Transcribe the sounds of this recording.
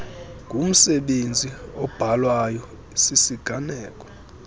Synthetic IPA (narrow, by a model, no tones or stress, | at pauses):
ŋɡʱum̩sɛɓend͡zʱiɔb̥ʱalwajɔ | isisiɡ̥ʱanɛːkʼɔ̥